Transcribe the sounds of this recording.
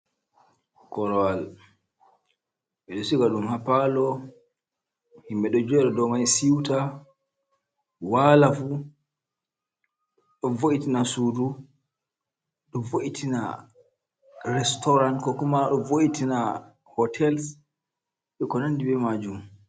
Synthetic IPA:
kɔɾɔwal | ɓɛɗɔsiɡaɗumhapalɔ | himbɛɗɔd͡ʒɛɛɾɔdɔmajsiwta | walafu | ɗɔvoʔitinasudu | ɗɔvoʔitʰina̰ | ɾɛstɔɾankɔkumaɗɔvoʔitina | hɔtʰɛls | ɓɛkɔnanːdibɛmad͡ʒum

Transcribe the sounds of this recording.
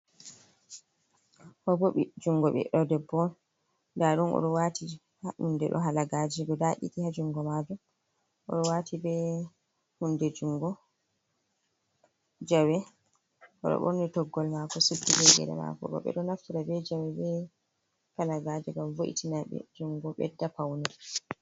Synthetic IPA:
hɔboɓid͡ʒuŋɡɔɓɛ̰ɗɔdɛbːɔn | daɗunʔɔ̰ɗɔwati | haʔundɛɗɔ̰ɦalaɡad͡ʒɛdɔdaʔḭtihad͡ʒuŋɡɔmad͡ʒum | ʔɔ̰ɗɔwaːtʰibɛ | hundɛd͡ʒuŋɡɔ | d͡ʒawɛ | ʔɔ̰ɗɔ̰ɓo̰nitɔɡːɔlmakɔsudːilɛɡɛ̰ɗɛ̰ma̰kɔ̰ɗɔ̰ɓɛ̰ɗɔnafiɾabɛd͡ʒawɛbɛ | kalaɡaːd͡ʒɛŋɡamvoʔḭtinaɓɛ̰d͡ʒuŋɡɔɓɛ̰dːapawnɛ

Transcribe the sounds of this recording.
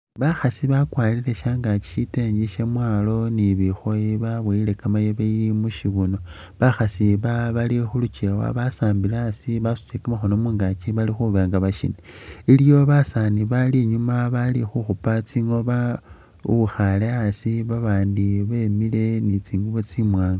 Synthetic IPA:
βaxasiβakwalile̞ʃaːŋɡat͡ʃi̥ʃiteɲɡiʃemwaːlo̞niβixo̞jiβaβweilekamajoβeilimuʃiβuno̞ | βaxasiβaβalixulut͡ʃewa̰βasaːmbileasiβasu̥t͡ʃikamaxono̞muːŋɡat͡ʃiβalixuβeŋɡaβaʃḭneilijo̞βasaniβaliɲumaβalixuxupat͡siŋo̞βa | uxale̞asiβaβaːndiβe̞mile̞nit͡siːŋɡuβot͡simwaːŋɡa

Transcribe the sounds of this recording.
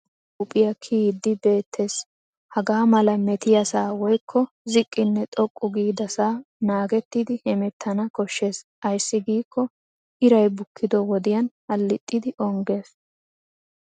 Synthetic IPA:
ʊpʼɪjɐkʰiːd̪ːɪbe̞ːt̪ʰːe̞ːs | hɐɡaːmɐlɐmɛt̪ɪjɐsaːwɔjkʰːɔ | zɪkʼːɪnːɛt̪ʼɔkʼːʊɡiːd̪ɐsaːnaːɡɛt̪ːɪd̪ɪhɛmɛt̪ʰːɐnɐkɔʃːe̞ːsʔɐjsːɪɡiːkʰːɔ | ʔɪɾɐjbʊkʰːɪd̪ɔwɔd̪ɪjɐnhɐlːɪt̪ʼːɪd̪ɪʔɔŋɡe̞ːs

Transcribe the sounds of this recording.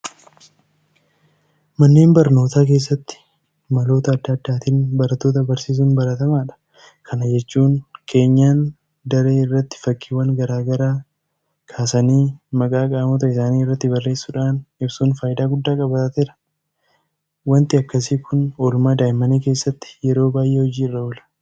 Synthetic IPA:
mɐnːeːnbɐɾno̞ːt̪aːk̬e̞ːs̬ːɐt̪ːɪ̥ | mɐlo̞ːt̪ɐːd̪ːɐːd̪ːaːt̪iːnbɐɾɐt̪ːo̞ːt̪̬ɐbɐɾsiːs̬uːnbɐɾɐt̪ɐmaːᶑɐ̥ | kʰɐnɐd͡ʒɛt͡ʃːuːnkʰe̞ːɲːaːn | d̪ɐɾe̞ːɪrːɐt̪ːɪ̥fɐkʼːiːwɐŋɡɐɾaːɡɐɾaː | kʰaːsɐniːmɐkʼaːkʼaːmʊt̪ɐɪsaːniːɪrːɐt̪ːɪbɐrːe̞ːsːuːᶑaːnɪbsuːnfaːjɪd̪aːɡʊd̪ːaːkʼɐbɐt̪at̪eɾɐ̥ | wɐnt̪ɪɐkːɐsiːkʊnoːlʊmaːd̪aːjmɐniːke̞ːsːɐt̪ːɪ̥jɛɾo̞ːbaːjʔehɔd͡ʒiːɪrːɐɔlɐ̥

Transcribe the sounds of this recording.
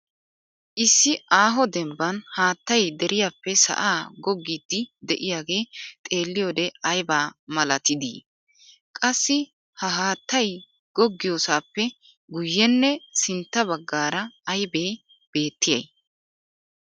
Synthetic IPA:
ʔɪsːɪʔaːɦɔd̪ɛmbɐnhaːt̪ːɐjd̪ɛɾʔɪjaːpːɛsɐ̰ʔaːɡɔɡːid̪ːɪd̪ɛʔɪjaːɡe̞ːt̪ʼe̞ːlːɪjoːd̪ɛɐjbaːmɐlɐt̪ɪd̪ḭː | kʼɐsːɪ | hɐɦaːt̪ːɐj | ɡ̥ɔɡːɪjoːsaːpːɛ | ɡʊjːɛnːɛsɪnt̪ːɐbɐɡːaːɾɐːjbeː | b̥e̞ːt̪ːɪjɐ̰j

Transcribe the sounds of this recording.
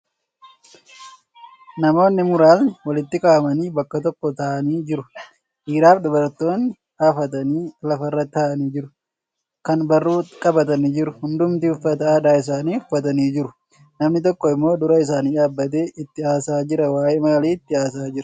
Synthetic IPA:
nɐmo̞ːnːɪmʊɾaːlnɪwɐlɪt̪ːɪkʼaːmɐniːbɐkːɐt̪ɔkːɔt̪aːʔɐniːd͡ʒɪɾʊ | ʔiːɾaːfd̪ʊbɐɾt̪o̞ːnːɪ | haːfɐt̪ɐniːlɐfɐrːɐt̪ːaːʔɐniːd͡ʒɪɾʊ̥ | kɐnbɐrːuːkʼɐbɐt̪ɐniːd͡ʒɪɾʊhʊnd̪ʊmt̪ihʊfːɐt̪ɐaːd̪aːɪs̬aːniːhʊfːɐt̪̬ɐniːd͡ʒɪɾʊ̥ | nɐmnɪt̪̬ɔkːɔɪmːo̞ːd̪ʊɾɐɪs̬aːniːᶑaːbːɐt̪̬e̞ːʔɪt̪ːɪaːsaːd͡ʒɪɾɐwaːʔeːmaːliːɪt̪ːɪaːsaːd͡ʒɪɾɐ̥

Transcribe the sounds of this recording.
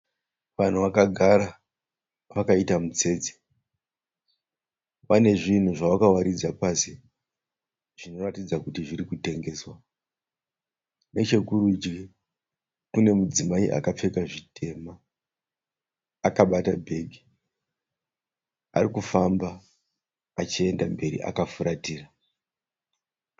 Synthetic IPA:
ʋan̤uʋakaɡʱaɾa | ʋakaitamut͡se̞ːd͡ze̥ | ʋane̞ʐin̤uʐawakawaɾid͡zapasi | ʐ̥ino̞ratid͡zakutiʐiɾikute̞ŋɡe̞ːswa | ne̞t͡ʃe̞kuɾud͡ʒɡi | kune̞mud͡zimaiʔa̰kap͡fe̞kaʐitʰe̞ma | kaɓatabʱe̞ɡʱi̥ | a̰rikufambaː | t͡ʃie̞ndambe̞ɾḭʔa̰kafuɾʔatiːra

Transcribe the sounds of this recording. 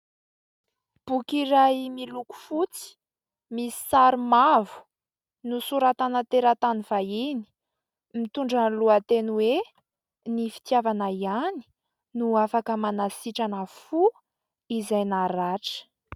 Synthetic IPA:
b̥ukiɾajmiluku̥fut͡si̥ | misi̥saɾimavu̥ | nusuɾat̪anat̪eɾat̪aniv̥aini̥ | mit̪uɳɖ͡ʐanluat̪enwe | nifi̥t̪javanəiani̥ | nuafakəmanasiʈ͡ʂanəfu | izajnaɾaʈ͡ʂə̥

